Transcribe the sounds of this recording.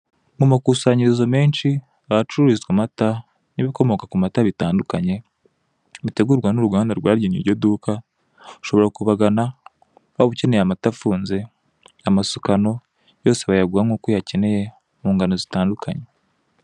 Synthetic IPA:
mumakusaɲiɾizome̞ːnʃi | aβat͡ʃuuɾizɡamata | niβiko̞mo̞kakumataβitaːndukaɲe̞ | βute̞ɡuɾɡwanuɾuɡaːndaɾɡwaːɾɟinḭɾɟo̞duka | u̥ʃo̞βo̞ɾakuβaɡana | βaβuce̞ne̞jamatafuːnze̞ | amasukano̞ | jo̞ːse̞βajaɡuaŋɡukojace̞ne̞je̞ | muːŋɡano̞zitaːndukaɲe̞

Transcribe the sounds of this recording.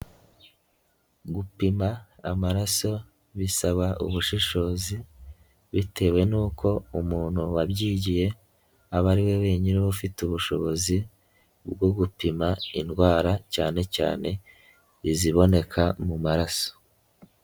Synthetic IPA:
ɡupimaːmaɾaso̞ | βisaβaʔṵβuʃiʃo̞ːzi | βitʰe̞we̞nuːkʰo̞umuːn̥huwabɟiːɟije̞ | aβaɾiwe̞we̞ːɲiniβufituβuʃo̞βo̞zi | bɡo̞ɡupimainɡwaːɾacaːne̞ca̰ːne̞ | iziβo̞ne̞kʰamumaɾaso̥

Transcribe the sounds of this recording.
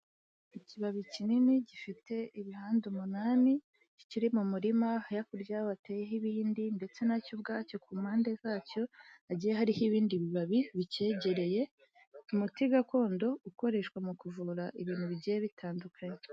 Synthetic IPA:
iciβaβicininiɟifite̞iβihaːndumunaːmi | ci̥ciɾimumuɾimahajakuɾɟawateːjeɦiβiːndinde̞t͡se̞nacobɡaːco̞kuːmhaːnde̞zaːco̞aɟijeɦaɾihiβiːndiβiβaβiβice̞ːɟe̞ɾe̞je̞ | umutiɡako̞ːndo̞uko̞ɾe̞ːʃkwamukuvuɾaʔiβiːn̥huβiɟijeβitʰaːndukʰaɲe

